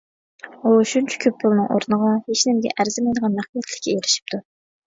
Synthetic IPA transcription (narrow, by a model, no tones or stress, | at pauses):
uʃunt͡ʃʰɛ̥kʲʰøp̚pʰːʊlˠnɨŋʔo̰ɾunəʁɑheʃnɪmɡʲɛ̰ʔæɾzɪmɑjd̪əʁɑnmæχfijɛt̪ʰlɪ̥kʲʰːɛeɾɪʃi̥p̚t̪ʰu